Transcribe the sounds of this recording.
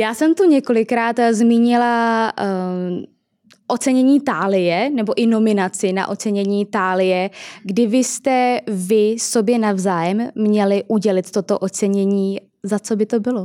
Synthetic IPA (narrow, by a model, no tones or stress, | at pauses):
jaːsɛmt̪uɲɛko̞lɪkɾaːt̪zmiːɲɪla | ʔo̞t͡sɛɲɛɲiːt̪aːlɪjɛnɛbo̞ʔɪno̞mɪnat͡sɪna̰ʔo̞t͡sɛɲɛɲiːt̪aːlɪjɛɡdɪvɪst̪ɛvɪso̞bjɛnavzaːjɛmːɲɛlɪʔuɟɛlɪt̪t̪ːo̞t̪o̞ʔo̞t͡sɛɲɛɲiː | zat͡so̞bɪt̪o̞bɪlo